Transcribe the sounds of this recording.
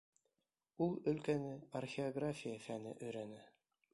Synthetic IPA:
ulˠɵ̆lkænɘɐrxʲɪoɡrafʲijəfænɘ̰ʔɵ̆jɾænɘ

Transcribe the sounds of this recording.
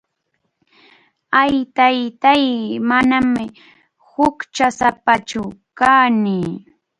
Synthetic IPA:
ajt̪ajt̪ajmanamɪ | hʊkt͡ʃasapat͡ʃʊkaːnɪː

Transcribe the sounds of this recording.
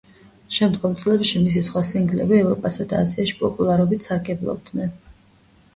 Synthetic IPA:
ʃɛmd̪ɡɔmt̪sʼlɛpʃimis̬isχwasiŋɡlɛ̰biɛvɾɔpʼasad̪aːziaʃi̥pʼɔpʼulˠaɾɔbit̪saɾɡɛblˠɔ̰b̚d̪nɛn

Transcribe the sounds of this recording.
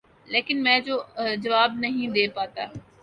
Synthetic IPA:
leːkɪnmɛ̃ːd͡ʒoːd͡ʒɐʋaːb̚nɐɦĩd̪eːpaːt̪a̰ː

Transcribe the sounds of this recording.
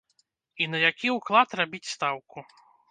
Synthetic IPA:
inɐjakʲiuklˠat̪rabʲit͡sʲst̪awku

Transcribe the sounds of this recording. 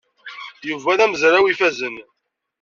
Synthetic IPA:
juvæðæməzɾawifæzən

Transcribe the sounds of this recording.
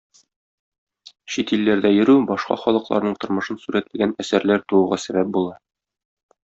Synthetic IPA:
ɕit̪ilːæɾd̪æjɘ̆ɾʉbɒʃqɑ̰χɒlˠɤ̆qlˠɑ̰ɾnɤɴt̪ŏɾmɤ̆ʃɤnsʉɾæt̪mɘɡænæsæɾlæɾt̪uwuʁɑsæbæp̚bulˠɑ

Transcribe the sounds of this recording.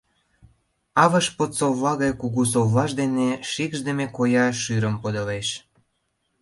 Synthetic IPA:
ɑβə̆ʃpot̪soβlɑɣɑjkuɣus̬oβlɑʃd̪eneʃikʒd̪ə̆mekojɑʃyɾəmpod̪ə̆leʃ

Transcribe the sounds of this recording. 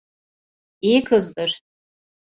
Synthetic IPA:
ikʰɨzdɨr

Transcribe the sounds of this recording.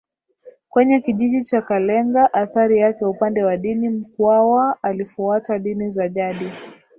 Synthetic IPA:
kwɛɲɛkiʄiʄit͡ʃakalɛŋɡaʔaθaɾijakɛupandɛwaɗinim̩kwawaalifuataɗinizaʄaɗi

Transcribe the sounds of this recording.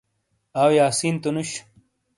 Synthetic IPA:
aːwjaːsiːnt̪unuɕ

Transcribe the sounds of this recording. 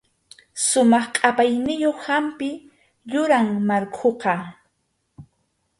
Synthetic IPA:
sʊmɑχqʼapajnɪjoχhampɪ | ʎʊɾaŋmaɾkʰoqɑ

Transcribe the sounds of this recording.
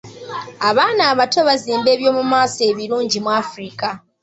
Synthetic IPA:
aβaːnaːβato̞βaziːmbe̞ːβjo̞ːmumaːse̞βiɾuːɲɟimwafɾika

